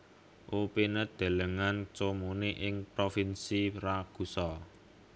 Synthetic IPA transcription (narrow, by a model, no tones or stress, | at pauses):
ʔupenəd̪̥e̤ləŋant͡ʃomoneʔɪŋpɾofinsiɾaɡ̥ṳsɔ